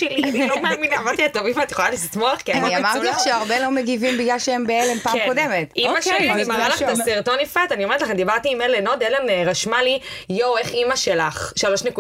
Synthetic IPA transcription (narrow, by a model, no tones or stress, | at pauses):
elilomaminaamaʁt̪iat̪ovimat̪jeχolalist̪moaχkiaaniamaʁilaχʃeaʁbelo̞meɡivimbiɡlalʃeembeelempakodemet̪imaʃemaʁalaχtasiʁt̪onifat̪aniomeʁetlaχand̪ibaʁt̪iːmeleno̞d̪elenʁaʃmalijoweχimaʃelaχʃalo̞ʃneku